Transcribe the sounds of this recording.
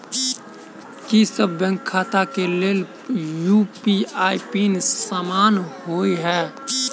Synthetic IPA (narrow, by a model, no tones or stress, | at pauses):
kisəbːɛ̃ːŋkʰːaːt̪akeleːl | juːpiaːipiːnesaːmaːnɦoːiɦɛː